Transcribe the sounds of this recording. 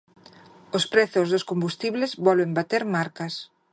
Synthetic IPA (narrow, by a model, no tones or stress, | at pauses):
ospɾɛθʊzðoskombust̪iβlezβɔlβembat̪eɾmaɾkɐs